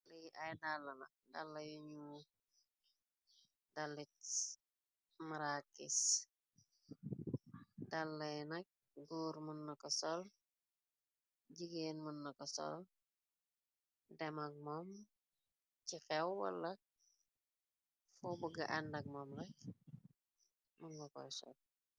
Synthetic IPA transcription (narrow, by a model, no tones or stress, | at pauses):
lijʔɐjdalːɐnɐk̚dalːɐjuɲu | dalːit | maɾakːis | dalːɐjnɐk̚ | ɡuːɾmunːɐkɔsɔl | ɟiɡeːnmunːɔkɔsɔ̰l | dɛmɐk̚mɔm | cixɛwwɐ̰lːɐk̚ | fɔbuɡɐ̰ʔɐndɐk̚mɔːmlɐk̚ | munɡɔkɔ̰jsɔ̰l